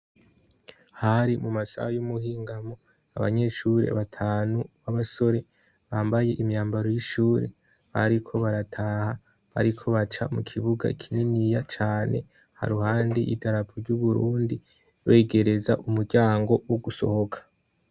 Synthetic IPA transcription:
haɾimumasa̰hajumuhiːŋɡamo | aβa̰ɲe̞ʃuɾḛa̰βatʰaːnuβaβaso̞ɾe̞ | βaːmbaje̞ʔimɲaːmbaɾo̞jiʃuːɾe̞̰ | βa̰ɾikʰo̞βaɾatʰaha | βa̰ɾikʰo̞βat͡ʃa̰mukʰiβuɡa̰ikʰininijat͡ʃaːne̞̰ | ha̰ɾuhaːndiʔḭdaɾapʰuɾɟuβuɾuːndi | weːɡe̞ɾe̞zaʔumuɾɟaːŋɡo̞woɡuso̰ho̞kʰḁ

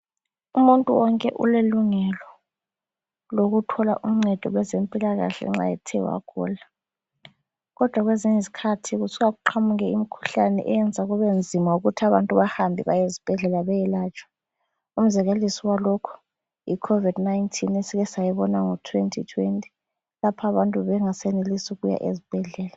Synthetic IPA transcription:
umuntʼuwɔŋkʼɛʔṵleluŋɛlɔ | loɣutʰɔla̰ʔum̩ŋ͡ǀɛd̥ʱɔlwɛzempʼilaɣa̰ɬɛ̰ŋ͡ǁa̰jɛ̰tʰɛwa̰kʰṵːla | ɣɔd̥ʱwaɣweziɲizi̥kʰatʰiɣusuɣaɣuǃʰamuɣɛimikʰu̥ɬanɛ̰ʔɛjɛnd͡zʱaɣuβend͡zʱimauɣutʰaβantʼuβahambʱiβajezib̥ʱɛɮɛlaβɛjɛlaːt͡ʃʰʼwḁ | um̩zɛɣelisiwalɔkʰɔ̥ | ḭkʰovidnaintʰinesiɣɛsajɛβɔnaŋɔtʰwentʰḭtʰwentʼi̥ | lapʰaβantʼuβɛŋasɛnelisuɣuja̰ʔezib̥ʱɛɮɛːla

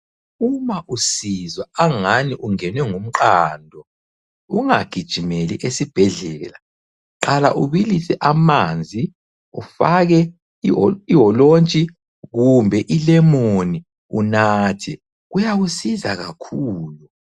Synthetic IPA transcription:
umaʔusizwaaŋaniʔuŋɛnwɛŋum̩ǃaːndʱɔ | uŋaɡ̥ʱid̥ʒ̥ʱimeliʔesib̥ʱɛɮɛla | ǃala̰ʔuβilisɛʔamand͡zʱi | ufaɣɛ | iwɔlont͡ʃʼi | ɣumbʱɛʔilɛmooni | unaːtʰɛ | ɣujaɣusiza̰ɣa̰kʰuːlu

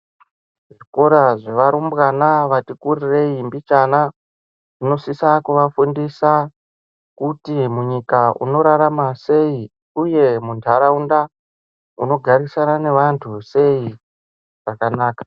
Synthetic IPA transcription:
ʐiko̞ɾaʐe̞ʋaɾumbɣanaʋatikurire̞imbit͡ʃana | ʐino̞sisakuʋafundisa | kutimuɲikaʔṵno̞ɾaɾamase̞i | uje̞muntʰaɾaunda | uno̞ɡʱaɾisanane̞ʋantʰuse̞i | ʐ̥akanaːkḁ

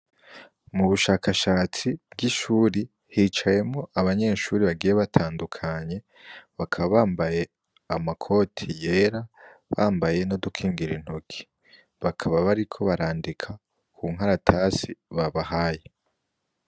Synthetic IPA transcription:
muβuʃaːkʰaʃaːt͡sib̥̚ɡiʃuːɾi | hiːt͡ʃaje̞mŋo̞ʔaβaɲe̞ːʃuːɾiβaɡiːjeβatʰaːndukʰaɲe̞ | βakʰaβaβaːmbaje̞ | amakʰo̞tʰije̞ːɾaβaːmbaje̞no̞dukʰiːŋɡiɾin̥hokʰi̥ | βakʰaβaβaɾikʰo̞βaɾaːndikʰa | kʰuːŋ̥ɦaɾatʰasiβaβaɦaːje

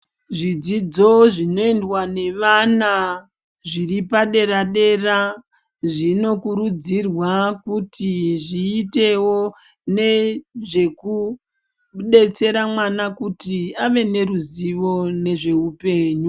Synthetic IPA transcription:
ʐid͡zid͡zo̞ʐino̞endwane̞ʋana | ʐiripaɗe̞ɾaɗe̞ra | ʐino̞kuɾud͡zirwakutiʐiːte̞wo̞ | ne̞ʐe̞ku | ɗe̞t͡se̞ɾamwanakutiaʋe̞ne̞ruziʋo̞ne̞ʐe̞upe̞ːɲu

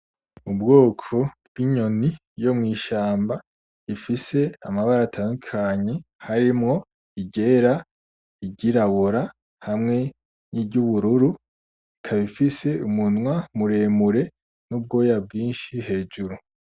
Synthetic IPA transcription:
ubɡo̞ːkʰo̞b̚ɡ̥iɲo̞ni | jo̞mŋiːʃaːmba | ifise̞amaβaɾatʰaːndukʰaɲe̞haɾimŋo̞ | iɟe̞ːɾa | iɟiɾaβoɾa | hamŋe̞ | nibɟuβuɾuɾu | ikʰaβifise̞umunŋwamuɾe̞muɾe̞ | nub̚ɡo̞ːjab̚ɡiːnʃihe̞ːd͡ʒuɾu

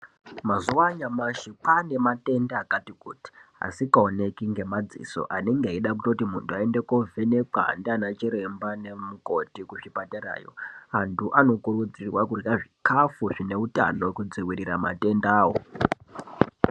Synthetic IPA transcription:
mazuwaɲamaʃipane̞mate̞ndaːkatikuti̥a̰sikaone̞kiŋɡe̞mad͡zḭso̞̰ʔane̞ŋɡeaiɗakutotimuntʰuaendeko̞vʱene̞ka̰ndianat͡ʃiɾe̞mbane̞muko̞tikuʐipateɾa̰ːjo̞̰antʰuʔano̞kuɾud͡zirwakurjaʐikafuʐine̞uta̰no̞wekud͡ziwiɾiɾama̰te̞ndaːwo

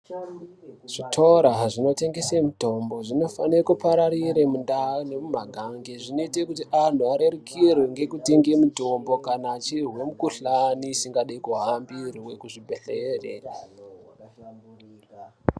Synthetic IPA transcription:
ʐ̥itʰoɾaʐino̞te̞ŋɡe̞semuto̞mbo̞ʐino̞fa̰nekupaɾaɾiɾemundane̞mumaɡʱaŋɡeʐino̞itekutiʔan̤uaɾe̞rekʰirweŋɡe̞kuteŋɡemuto̞mbo̞kanaːt͡ʃirwe̞mukuɬaniːsiŋɡaɗaikuɦambiriwe̞kuʐibʱeɬeːrḛ

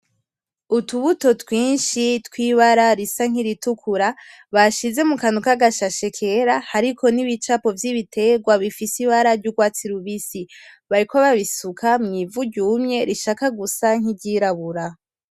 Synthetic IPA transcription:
utuβuto̞twiːnʃitwiːβaɾaɾisaŋ̥iɾitukʰuɾa | βaʃize̞mukanukaɡaʃaʃe̞kʰe̞ɾahaɾiko̞niβit͡ʃapo̞vjiβitʰe̞ɡwaβifisiβaɾaɾɟuɡwaːt͡siɾuβisiβaɾikoβaβisukʰamŋiːvuɟuːmɲe̞ɾiʃakaɡusaŋ̥iɟiːɾaβuɾa

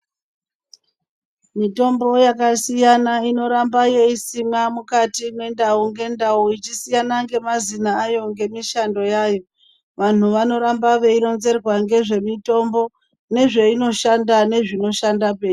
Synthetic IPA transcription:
mito̞mbo̞jakasijanaino̞ɾambaje̞isimamukatinwe̞ndauŋɡe̞ndauit͡ʃisijanaŋɡe̞mazinaːjo̞ŋɡe̞miʃando̞jaːjo̞ | ʋan̤uʋano̞ɾambaʋe̞ino̞nze̞rwaŋɡe̞ʐe̞mito̞mbo̞ | ne̞ʐe̞ino̞ʃandane̞ʐino̞ʃandape̞ːi

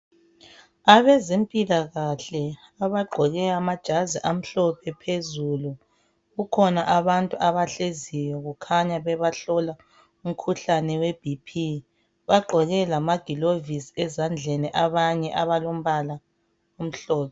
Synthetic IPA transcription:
aβɛzempʼilaɣaɬɛ | aβaɡ͡ǃʱɔɣɛamad̥ʒ̥ʱaziʔam̩ɬɔpʰɛpʰezulu | ɣukʰɔnaʔaβantʼuaβaɬezijɔɣukʰaɲaβɛβaɬɔla | um̩kʰuɬanɛweb̥ʱipʰi | βaɡ͡ǃʱɔɣɛlamaɡ̥ʱilovisɛzand͡ɮʱɛniʔaβaɲɛʔaβalom̩βala | om̩ɬɔːpʰɛ

